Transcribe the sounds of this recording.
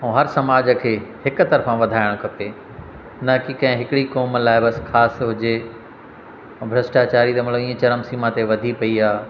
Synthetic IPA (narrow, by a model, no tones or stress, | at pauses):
ũːɦɐɾsɐmaːd͡ʑəkʰeːhɪkʊ̆t̪ɐɾfãʋɐd̪ʱaːɪɽ̃kʰɐpe | nɐkikɐ̃ɦɪ̃ɦɪkɪɽikoːmlaːɪbɐsxʰaːsɦʊd͡ʑe | bʱɾɐsʈaːt͡ɕaːɾit̪ɐmɐləʋĩːə̃t͡ɕɐɾəmsiːmãt̪eʋɐd̪ʱipɐiaː